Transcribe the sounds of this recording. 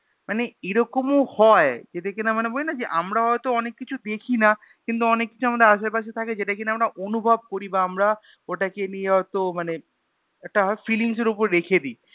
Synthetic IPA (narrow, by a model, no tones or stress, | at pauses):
maneeɾɔkomohɔed͡ʑet̪ekinamanebolinad͡ʑeʔamɾaɦɔet̪oɔnekːit͡ɕʰud̪ekʰina | kint̪uɔnekːi̥t͡ɕʰuamad̪eɾaʃaɾpaʃ̬et̪ʰaked͡ʑeʈakineamɾaʔonubʱab̚koɾibaamɾa | oʈakenijeɦɔet̪omane | ɛk̚ʈaɦɔfiliŋʃ̬eɾupoɾɾekʰed̪i